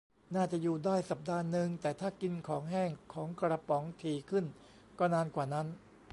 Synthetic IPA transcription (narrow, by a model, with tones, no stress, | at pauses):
naː˥˩t͡ɕa˨˩ʔjuː˨˩daː˥˩jsa˨˩p̚daː˧nːɯ˨˧ŋt̪ɛː˨˩t̪ʰaː˥˩ki˧nkʰɔː˩˦ŋɦɛː˥˩ŋkʰɔː˩˦ŋkɾa˧pɔ˩˦ŋt̪ʰiː˨˩kʰɯ˥˩n | kɔː˥˩naː˧nkwaː˨˩na˦˥n